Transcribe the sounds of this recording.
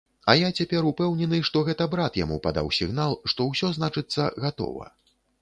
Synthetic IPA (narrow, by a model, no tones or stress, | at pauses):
ɐjat͡sʲapʲɛɾupɛwnʲɛnɨʂt̪ɔɣɛt̪ɐbɾat̪ja̰mupad̪a̰wsʲiɣnalˠʂt̪ɔwsʲɔznat͡ʂɨt̪sːɐ̰ɣat̪ɔ̰vɐ̰